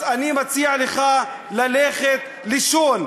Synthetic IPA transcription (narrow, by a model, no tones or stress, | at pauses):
animat͡siaʕleχa | laleχet̪ | liʃon